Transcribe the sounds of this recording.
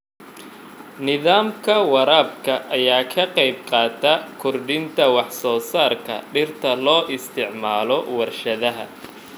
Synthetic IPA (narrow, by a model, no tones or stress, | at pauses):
nɪðaːmkʰɐwɑɾaːbkʰɐʔɐjaːkʰɐqɑjb̚qɑːt̪ʰɐkʰʊrɖɪnt̪ʰɐwɑħsɔːsaːrkʰɐ̰ɖɪrt̪ʰɐlɔːʔɪst̪ʰɪʕmaːlɔwɐrʃɐðɐɦɐ̰